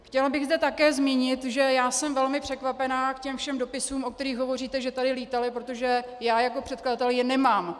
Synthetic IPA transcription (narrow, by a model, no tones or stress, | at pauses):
xcɛlbɪɣzdɛt̪akɛːzmiɲɪt̪ʒɛjaːsɛmvɛlmɪpr̝̥ɛkvapɛnaːkcɛmfʃɛmdo̞pɪsuːmʔo̞k̚t̪ɛɾiːxɦo̞vo̞riːt̪ɛʒɛt̪adɪliːt̪alɪpɾot̪oʒɛ | jaːjako̞pr̥ɛt̪kladat̪ɛljɪnɛmaːm